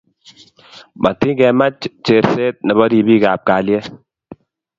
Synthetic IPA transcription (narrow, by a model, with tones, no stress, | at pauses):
ma˨ti˦kɛ˨ma˦t͡ʃt͡ʃe˨ɾse˦t̪̚nɛ˨bɔ˦di˨bi˦ka˨p̚ka˨lje˦